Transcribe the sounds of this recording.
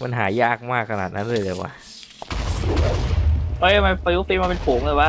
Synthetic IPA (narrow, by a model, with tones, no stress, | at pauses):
pa˧nɦaː˩˦jaː˥˩k̚maː˥˩kʰːa˧naː˨˩t̪̚nʔa˦˥nɾɯ˥˩˨jlɯː˧˩wa̰ː˧˩ | ʔɤː˦˥˩ma˧pa˧ju˦˥fi˧nmaː˧pe˧npʰuː˩˦ŋlɤː˧˩wa˦˥˩